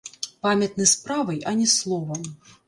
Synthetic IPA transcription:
pamʲɐt̪nɨspɾavɐjɐnʲɛslˠɔvɐm

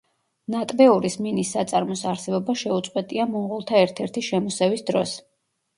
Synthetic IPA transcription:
nat̪ʼbɛuɾisminisːat̪sʼaɾmɔsaɾsɛbɔbaʃɛut̪sʼqʼwɛt̪ʼiamɔmʁulˠt̪ʰaɛɾt̪ʰɛɾt̪ʰiʃɛmɔsɛvisd̪ɾɔs

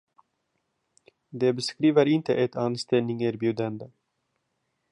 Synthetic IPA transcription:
d̪eːbəskɾiːvəɾɪnt̪əʔɛt̪ʰɑːnst̪ɛlnɪŋeːɾbjʉːd̪ənd̪ə

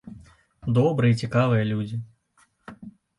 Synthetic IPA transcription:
d̪ɔbɾɨjɐit͡sʲikavɨjɐlʲud͡zʲi

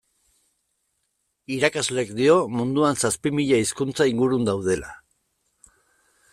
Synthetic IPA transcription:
iɾakazlekd̪io̞mund̪uansaspimiʎaiskunt͡saiŋɡuɾund̪awðe̞la̰

